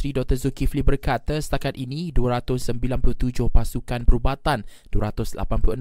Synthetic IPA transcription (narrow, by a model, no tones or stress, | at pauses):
ɾidɔk̚t̪əzukiflibərkat̪asə̥t̪akat̪̚ʔinĩduaɾat̪ʊsəmbilanplut̪ud͡ʒʊhpasukanpəɾubat̪and̥uaɾat̪ʊsla̰panpluʔə